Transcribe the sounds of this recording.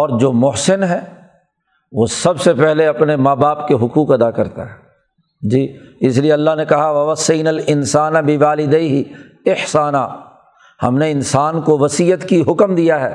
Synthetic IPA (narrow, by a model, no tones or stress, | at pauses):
ɔːɾd͡ʒoːmʊɦsɪnɦɛː | ʋoːsɐbsepɛɦleɐpnemaːbaːpkeɦʊkuːkɐd̪akɐɾt̪a̰ɦɛː | d͡ʒiːɪs̬lieɐlːaɦnekɐɦaʋɐʋɐsːijnalɪnsaːnabɪʋaːlɪd̪eiɦi | ɪhsaːnaː | hɐ̰mneɪnsaːnkoʋɐsiːət̪kiɦʊkmd̪ijaɦɛː